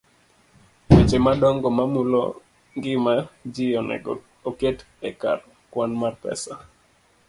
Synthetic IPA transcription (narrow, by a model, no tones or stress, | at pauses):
wet͡ʃemadɔŋɡɔmamulo̰ | ŋɡɪmad͡ʒɪɔnɛ̰ɡɔ̰ | oket | ɛka̰r | kwanmarpɛ̰sa